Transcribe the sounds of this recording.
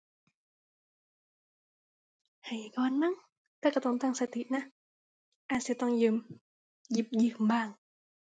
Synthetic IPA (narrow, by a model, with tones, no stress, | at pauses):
ha˨˩jkɔː˧nma˧˥˨ŋ | t̪aː˧˩ka˧˩t̪ɔ˧nt̪aː˥˩ŋsa˧t̪ʰi˨˩t̪̚na˧˥ | ʔaː˧˩si˧˦t̪ɔ˥˩ŋjɯː˧m | ji˧˩p̚jiː˧˩kʰbaː˧˩ŋ